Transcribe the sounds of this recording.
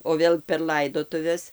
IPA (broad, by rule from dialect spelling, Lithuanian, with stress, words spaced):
oː ˈʋʲeːlˠ pʲɛr ˈlˠɐɪdoːtʊʋʲɛs